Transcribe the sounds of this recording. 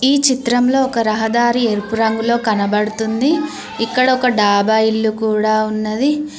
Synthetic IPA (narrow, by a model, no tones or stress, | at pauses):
iːt͡ʃit̪ɾɐmlo̞ːɔkɐɾɐɦɐd̪aːɾieɾpuɾɐŋɡulo̞ːkɐnɐbɐɽut̪und̪i | ikːɐɽɐɔkɐɖaːbailːukuːɽaːunːɐd̪i